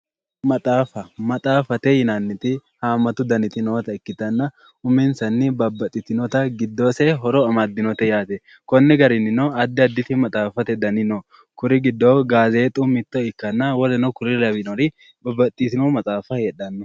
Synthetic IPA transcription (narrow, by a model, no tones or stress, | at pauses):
mɐt̪ʼaːfɐmɐt̪ʼaːfɐt̪ɛjɪnanːɪt̪ɪhaːmɐt̪ʊd̪ɐnɪt̪ɪnoːt̪ɐɪkːɪt̪ɐnːɐ | ʊmɛnsɐnːɪbɐbːɐt̪ʼːɪt̪ɪnɔt̪ɐɡɪd̪ːoːsɛɦɔɾɔɐmad̪ːɪnɔt̪ɛjaːt̪ɛ | kɔnːɪɡɐɾɪnɪnɔɐd̪ːɪɐd̪ːɪt̪ɪmɐt̪ʼaːfɐt̪ɛd̪ɐnɪnɔ | kʊɾɪɡɪd̪ːowɡaːze̞ːt̪ʼʊmɪt̪ːɔɪkːɐnːɐwɔdɛnɔkʊɾɪlɐbɪnɔɾɪ | bɐbːɐt̪ʼːisɪnɔmɐt͡s̪ʼaːfɐjɛᶑɐnːɔ